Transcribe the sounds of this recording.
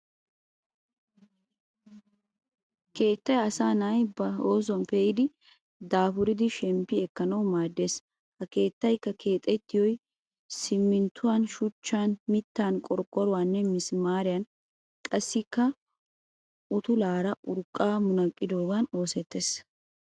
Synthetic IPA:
ke̞ːt̪ːɐjɐsaːnaːjbɐo̞ːzɔnpeːjɪd̪ɪ | d̪aːfʊɾɪd̪ɪʃɛmpːɪɛkːɐnɐwmaːd̪ːe̞ːs | hɐke̞ːt̪ːɐjkːɐkʰe̞ːt̪ʼːɛt̪ːɪjɔj | sɪmːɪnt̪ːʊwaːnʃʊt͡ʃːaːnmɪt̪ːaːnkʼɔɾkʼːɔɾʊwaːnːɛmɪsmaːɾɪjɐn | kʼɐsːɪkːɐ | ʊt̪ʊlaːɾɐʔʊɾkʼːaːmʊnɐkʼːɪd̪o̞ːɡano̞ːsɛt̪ːeːs

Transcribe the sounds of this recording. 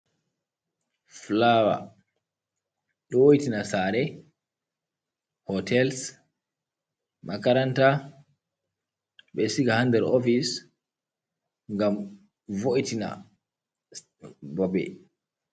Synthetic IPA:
flawa̰ | ɗɔwojitinasaɾɛ | hɔtʰɛls | makaɾanta | ɓɛsiɡahandɛɾofis | ŋɡam | voʔitina̰ | bɔbɛ̰

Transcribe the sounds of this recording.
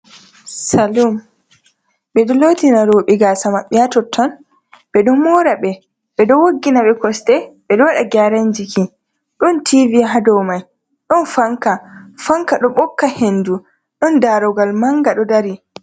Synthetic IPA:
salɔm | ɓɛɗɔloːtinaɾoɓiɡasamaɓːɛjatɔtʰːɔn | ɓɛɗɔmɔɾaɓɛ | ɓɛɗɔwoɡːinaɓɛkɔstɛɓɛɗɔwaɗaɡaɾand͡ʒikʰi | ɗɔntʰiviɦadɔwmaj | ɗɔnfaŋkafaŋkaɗɔɓɔkːahenːdu | ɗɔndaɾɔɡalmaŋɡaɗɔdaɾi

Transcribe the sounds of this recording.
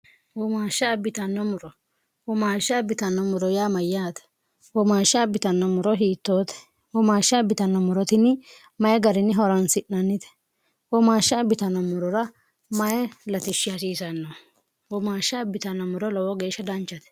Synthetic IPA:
wɔmaːʃːɐbɪt̪ɐnːɔmʊɾɔ | wɔmaːʃːɐːbɪt̪ɐnːɔmʊɾɔjaːmɐjːaːt̪ɛ̥ | wɔmaːʃɐːbɪt̪ɐnːɔmʊɾɔɦiːt̪ːoːt̪ɛ̥ | wɔmaːʃːɐːbɪt̪ɐnːɔmʊɾɔt̪ɪnːɪ | mɐjɛɡɐɾɪnːɪɦɔɾɐnsɪʔnɐnːɪt̪ɛ̥ | wɔmaːʃːɐbɪt̪ɐnːɔmʊɾɔɾɐ | mɐjɛlɐt̪ɪʃːɪjasiːsɐnːɔ | wɔmaːʃːɐːbɪt̪ɐnːɔmʊɾɔlɔwɔɡe̞ːʃːɐd̪ɐnt͡ʃːɐt̪ɛ̥

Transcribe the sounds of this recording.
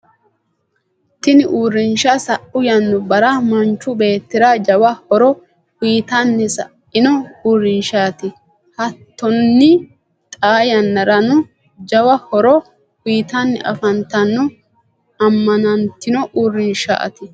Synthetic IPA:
t̪ɪnɪʔuːɾɪnʃasɐʔʊjɐnːʊbɐɾɐmɐnt͡ʃːʊbe̞ːt̪ːɪɾad͡ʒɐwɐhɔɾɔ | wiːt̪ɐnːɪsɐ | ɪnɔuːɾɪnʃaːt̪ɪ | hɐt̪ːɔnːɪ | t̪ʼaːjɐnːɐɾɐnʊ | d͡ʒɐwɐhɔɾɔ | wiːt̪ɐnːɪ̰ʔɐ̰fɐnt̪ːɐnːʊ | ɐmːɐnɐnt̪ːɪnɔʔuːɾɪnʃa̰ʔɐ̰t̪ɪ

